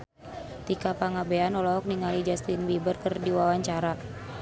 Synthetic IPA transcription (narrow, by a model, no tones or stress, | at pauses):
t̪ikapaŋabɛanɔlɔɦɔk̚niŋalid͡ʒast̪inbibərkərdiwawaɲt͡ʃaɾa